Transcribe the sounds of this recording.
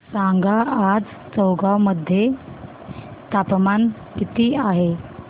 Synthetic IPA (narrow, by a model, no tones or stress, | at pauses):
sãŋɡʱaad͡z | t͡səwɡawməd̪ʱːje | t̪apman | kit̪iːaɦe